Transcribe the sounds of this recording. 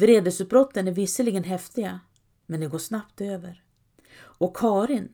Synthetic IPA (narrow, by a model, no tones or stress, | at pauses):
vɾeːd̪əsɵt̪̚bɾɔt̪ːənæɾvɪsəlɪɡənɦɛft̪ɪɡa | mɛnd̪ɛɡoːʂnapt̪øːvəɾ | ɔkʰːɑːɾɪn